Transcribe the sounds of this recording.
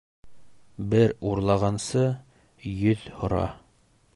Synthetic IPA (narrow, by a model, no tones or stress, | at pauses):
bɘɾuɾlˠɑʁɑnsɤ | jɵðhŏɾɑ̰